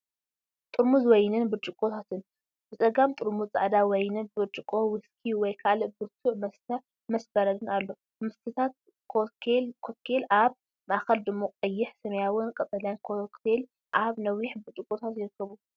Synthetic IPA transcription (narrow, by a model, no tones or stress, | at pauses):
t̪ʼɨɾmuzwɔjnɨnbɨt͡ʃʼɨkʼot̪ʰat̪ʰɨn | bɨsʼɐɡamt̪ʼɨɾmut͡sʼa̰ʕd̪awɔjnɨbɨt͡ʃʼɨkʼowɨskʰiwɔjkʰalɨbɨɾt̪ʰuʕmɐst̪ʰɐ | mɐsbɐɾɐd̪ɨnalːo̞ | mɨst̪ʰɨt̪ʰat̪̚ | kʰoelkʰot̪kʰelaβ | maʔaxɐld̪ɨmːoqʼɐjːɪħsɐmɐjawʊnkʼɐt̪ʼɐljankʰokt̪ʰel | ʔaβnɐwjɪħbɨt͡ʃʼɨkʼot̪ʰat̪jɪɾɨkːɐβu